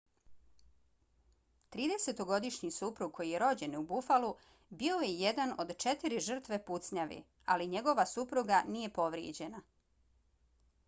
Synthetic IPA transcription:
t̪ɾiːd̪e̞se̞t̪o̞ɡo̞d̪iʃɲisupɾuɡ̚ko̞jijeɾo̞d͡ʑe̞nubufalu | bio̞jeje̞d̪ano̞d̪t͡ʃe̞t̪iɾiʒr̩t̪ʋe̞put̪sɲaʋḭ | a̰liɲe̞ɡo̞ʋasupɾuɡanije̞po̞ʋɾjḛd͡ʑe̞na

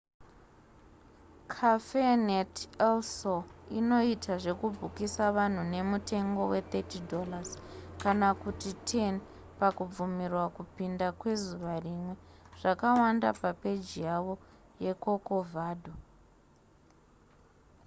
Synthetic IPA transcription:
kʰafenetelsoino̞itʰaʐe̞kubʱukisaʋan̤une̞mute̞ŋɡo̞we̞t̪etidʱo̞laz̥kanakutitʰen | pakub͡vumirwakupindakwe̞zuʋarimwe̞ʐ̥akawanda̰pape̞d͡ʒijaʋo̞je̞ko̞ko̞vʱaːdʱo

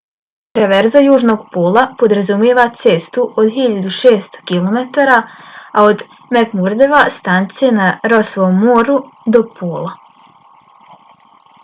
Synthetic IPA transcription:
t̪ɾeʋe̞ɾzajuːʒno̞ɡpoːlˠapo̞d̪ɾazumjeːʋat̪seːst̪uʔod̪xiʎad̪uʃeːst̪o̥kilˠo̞met̪aːɾaaod̪ | meɡmuɾd̪eʋast̪ant̪sijenaɾo̞sʋoːmːoːɾud̪o̞pʰoːlˠa

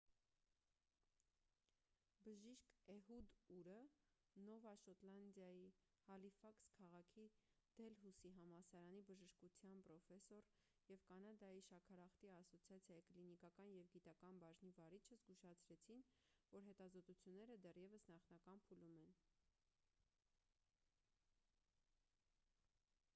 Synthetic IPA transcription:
bəʒiʃkɛɦud̪uɾə | nɔvɑʃɔt̪lɑnd̪jɑji | hɑlifɑkskʰɑʁɑkʰid̪̥ɛlɦusiɦɑmɑsɑɾɑnibəʒəʃkut͡sʰjɑnpɾɔfɛsɔɾ | jɛvkɑnɑd̪ɑjiʃɑkʰɑɾɑχt̪iɑsɔt͡sʰjɑt͡sʰjɑjiklinikɑkɑnjɛvɡit̪ɑkɑnbɑʒnivɑɾit͡ʃʰəzɡuʃɑt͡sʰɾɛt͡sʰinvɔɾɦɛt̪ɑzɔt̪ut͡sʰjunːɛɾəd̪ɛrjɛvəsnɑχnɑkɑnpʰulumɛn

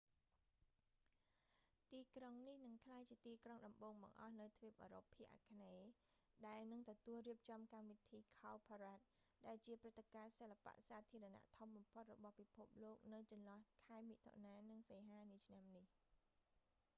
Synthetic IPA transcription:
t̪iːkroŋnihnɨŋkʰlaːjt͡ɕiət̪iːkroŋɗɑmɓoːŋɓɑ̰ŋʔɑhnɨwt̪ʰʋiəp̚ʔə̰ːɾo̰pʰːiəʔa̰kʰneːɗaɛlnɨŋt̪ɔt̪uəlriəp̚t͡ɕɑmkamʋit̪ʰiːkʰaɔpʰɔɾaːt̪̚ | ɗaɛlt͡ɕiəprɨt̪ːekaːsəlːapa̰ʔsaːt̪ʰiəɾɑna̰ʔt̪ʰomɓɑmpʰot̪̚rɔɓɑhpipʰup̚loːk̚nɨwt͡ɕɑnlɑ̆hkʰaɛmiʔt̪ʰo̰naːnɨŋseːɦaːniət͡ɕʰnamnih

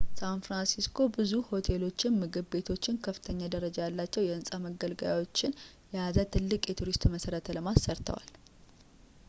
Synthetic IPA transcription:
sanfɾansiskʰo̞bɨzuho̞t̪ʰe̞lo̞t͡ʃːɪnmɨɡɨβbe̞t̪ʰo̞t͡ʃːɪnkʰəfːɨ̥t̪ʰəɲːad̪əɾəd͡ʒajalːat͡ʃːɛwjɛɨnsʼaməɡəlɡəja̰wo̞t͡ʃːɪn | jɛazət̪ʰɨlːɨkʼjɛt̪ʰuɾist̪məsəɾət̪ʰləmasːəɾt̪ʰə̰wa̰l

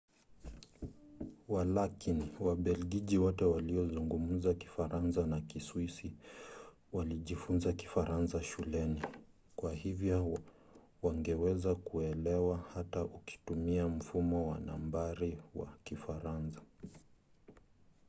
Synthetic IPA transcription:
walakiniwaɓɛlɡiʄiwɔtɛwaliɔzuŋɡumm̩zaki̥faɾansanakiswisi | waliʄifunzaki̥faɾansaʃulɛni | kwahivjɔ | waŋɡɛwɛzakuɛlɛwahataʔuki̥tumiam̩fumɔwa̰na̰mbaɾiwa̰kifaɾansḁ

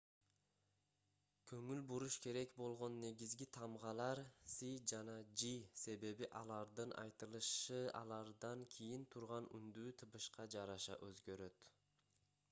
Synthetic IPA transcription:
kʰɵŋylbuɾuʃkʰe̞ɾe̞kbo̞lˠʁo̞nːe̞ɡizɡit̪ʰɑmʁɑlˠɑɾsid͡ʒɑnɑd͡ʒise̞βe̞βiʔɑlˠɑɾd̪ɯnʔɑ̰jt̪ɯlˠɯʃɯɑ̰lˠɑɾd̪ɑŋkʲʰijint̪ʰuɾʁɑny̰nd̪yːt̪ʰɯpɯʃqɑd͡ʒɑɾɑʃɑ̰ʔøzɡø̞ɾø̞t̪

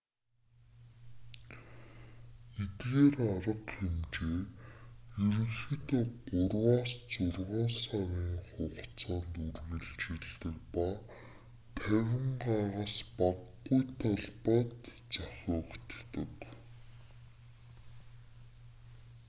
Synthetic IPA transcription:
et̪ɣeːraɾə̆qxemt͡ɕeː | jɵɾɘ̆xɘ̆t̪ːɢʊrwaːst͡sʊrʁɔːnsaɣʲiːŋχʊʁʰt͡sʰaːnt̪urɣɘ̆ɮt͡ɕiɮt̪ɘ̆kpa | t̪ʰæwʲɪ̆ŋɢaʁaspaɡːujt̪ʰaɮpaːt̪t͡saxʲʊːkt̪t̪ɘ̆k

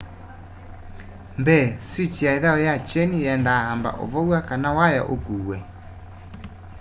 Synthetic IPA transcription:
mbɛswit͡ʃiaeðaɔjat͡ʃɛniɛndahamba̰ʔo̰βɔwakanawaja̰ʔokuːwɛ

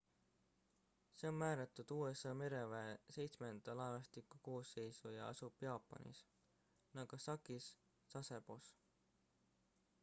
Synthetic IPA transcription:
se̞ommæːɾɑt̪ːˑud̪̥uːe̞sɑme̞ɾe̞veese̞jt̪sme̞nd̪ɑlɑnɑst̪ikːˑuko̞ːsːe̞jsujɑɑ̰sub̥jɑːpˑːɑ̰nḭs | nɑɡ̥usɑkisː | ɑseb̥os

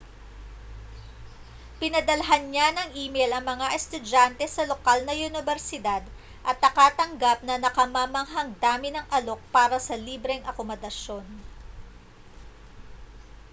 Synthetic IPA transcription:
pɪnɐd̪ɐlɐɦanɲanɐŋʔiːmejlɐŋmɐŋaʔɛst̪ʊd͡ʒant̪ɛsɐlo̞kalnɐʔʊnɪbɛɾsɪd̪ad̪ | ʔɐt̪̚nɐkat̪ɐŋɡap̚nɐnɐkɐmɐmɐŋɦɐŋd̪aːmɪnɐŋʔɐlo̞k̚paːɾɐsɐliːbɾɛŋʔɐkomod̪ɐʃjo̞n

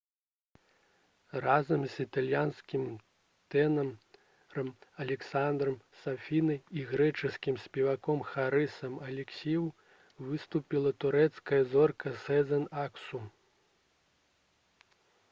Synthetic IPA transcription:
razɐmzʲit̪alʲjanskʲim | t̪ɛnɐm | ɾɐmɐlʲɛksand̪ɾɐmsafʲinɨiɣɾɛt͡ʂɨskʲimsʲpʲɛvakɔmxaɾɨsɐmɐlʲɛksʲijw | vɨst̪upʲilˠɐt̪uɾɛt̪skɐjɐzɔrkɐsɛzɛnaksu

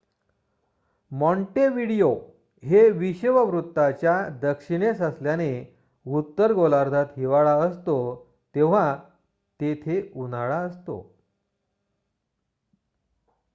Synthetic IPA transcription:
mɔɳʈeʋiɽijo | ɦeʋiɕʋəʋɾut̪ːat͡ɕjad̪əkʂiɽ̃esəsljane | ut̪ːəɾɡolaɾd̪ʱat̪ɦiʋaɭaəst̪o | t̪eʋ̤a | t̪et̪ʰeunaɭaəst̪o̰

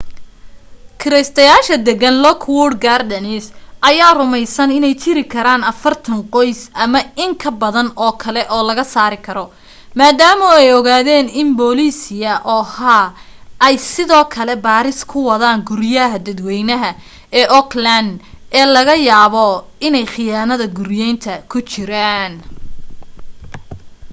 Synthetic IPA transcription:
kʰɪɾɛjst̪ʰɐjaːʃɐd̪ɛɡɐnlɔkʰwɔrɖɡaːrd̪ɐnɪsʔɐjaːrʊmɛjsɐnɪnɛjt͡ʃʰɪɾɪkʰɐɾaːnɐfɐrt̪ʰɐŋqɔjsɐmɐɪŋkʰɐbɐðɐnɔːkʰɐlɛʔɔːlɐɣɐsaːɾɪkʰɐɾɔ | maːd̪aːmɔɛjɔɣaːðɛːnɪmbɔːliːsɪjɐʔɔːhaː | ɐjsɪðɔːkʰɐlɛbaːɾɪskʰʊwɐðaːŋɡʊɾjɐɦɐd̪ɐd̪wɛjnɐɦɐ | ɛːʔɔkland̪ɛːlɐɣɐjaːβɔ | ɪnɛjχɪjaːnɐðɐɡʊɾjɛjnt̪ʰɐkʰʊt͡ʃɪɾaːn

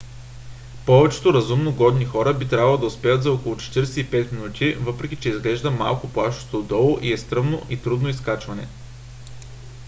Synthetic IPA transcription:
pɔvɛt͡ʃɛ̥t̪oɾɐzumnoɡɔd̪nixɔɾəbit̪ɾʲavɐlˠod̪ɐʊspɛjət̪zɐɔkolˠʊt͡ʃɛ̥t̪iɾɛsɛipɛt̪minut̪ʰʲivɤpɾɛk̟ʲit͡ʃɛizɡlɛʒd̪əma̰lˠkʊplˠaʃo̥t̪od̪ɔlˠoʔiɛst̪ɾɤmnoʔit̪ɾud̪noiskat͡ʃvɐnɛ̰

